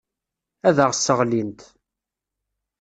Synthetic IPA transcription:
æðəʁəsːəʁlint̪

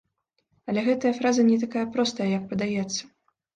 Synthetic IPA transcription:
ɐlʲɛɣɛt̪ɐjɐfɾazɐnʲɛt̪akajɐpɾɔst̪ɐjɐjɐk̚pɐd̪ajɛt̪sːɐ̥

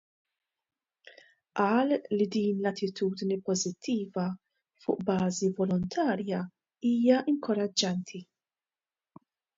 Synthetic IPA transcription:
ʔɐːlːid̪iːnlɐt̪ːɪt̪uːd̪nipɔzɪt̪ʰːiːvɐ | fʊ̰ːʔbɐːzivɔlɔnt̪ʰɐːɾjɐ | iːjɐʔɪŋkɔɾɐd͡ʒːɐnt̪ʰi

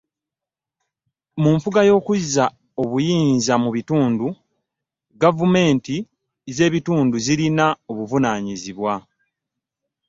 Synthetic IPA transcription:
muːɱfuɡajo̞ːkuza | o̞βujiːnzamuβituːndu | ɡavume̞ːnti | ze̞ːβituːnduziɾinao̞βuvunaːɲiziβwa

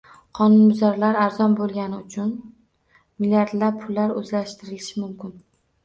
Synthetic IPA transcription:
qʰɒnʊnmʊzaɾlaɾaɾzɒnbolˠɡʲanɪʊt͡ʃʰʊn | milʲijaɾd̪lapʰʊlːaɾɵzlaʃt̪ɪɾɪlɪʃɪmʊmkʲɪn

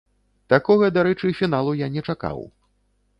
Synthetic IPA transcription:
t̪akɔɣɐd̪aɾɛt͡ʂɨfʲinalˠujanʲɛt͡ʂaka̰w

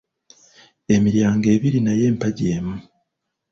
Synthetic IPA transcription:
e̞miɾjaːŋɡe̞βiɾinajeːmpaɟemu

